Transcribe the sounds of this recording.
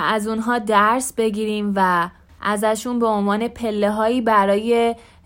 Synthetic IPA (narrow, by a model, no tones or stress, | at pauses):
æzunɦɒːd̪æɾsbe̞ɡiːɾiːmvæ | ʔæzæʃunbe̞onvɒːne̞pʰe̞lːeɦɒːiːbæɾɒːje